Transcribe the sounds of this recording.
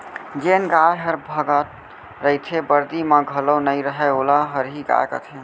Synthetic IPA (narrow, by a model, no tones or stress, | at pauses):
d͡ʒenɡajɦəɾbʱəɡət̪̚ | ɾəit̪ʰebəɾd̪iməɡʱəlonəjɾəɦɛolaɦəɾɦiɡa̰kə̰t̪ʰɦe